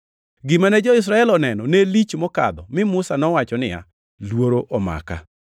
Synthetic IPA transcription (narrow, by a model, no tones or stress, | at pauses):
ɡɪmanɛd͡ʒɔɪs̬ɾaɛlɔnɛnɔnelit͡ʃmɔka̰d̪ɔmɪmʊsanɔwat͡ʃɔnɪja̰ | lwoɾoʔɔma̰ka̰